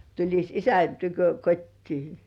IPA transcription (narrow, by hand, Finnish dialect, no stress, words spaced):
tulʲis isæn tykø kotʲtiː